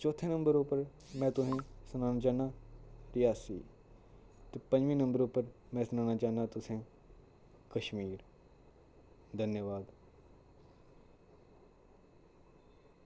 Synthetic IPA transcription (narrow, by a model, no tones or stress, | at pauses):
t͡ʃoːt̪ʰẽnə̃mbəɾʊpəɾ | mɛ̃ːt̪ʊɦẽsʊnaːnaːt͡ʃaːnaːɾɪjaːsḭː | t̪epə̃ɲd͡ʒʋĩːnə̃mbəɾʊpəɾmɛ̃ːsʊnaːnaːt͡ʃaːnaːt̪ʊsẽː | kəʃmiːɾ | d̪ʱənjəʋaːd̪